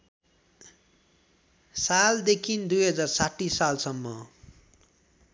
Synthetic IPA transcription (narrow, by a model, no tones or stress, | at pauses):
sald̪ekʰind̪ujɦʌd͡zarsaʈːisalsʌmːʌ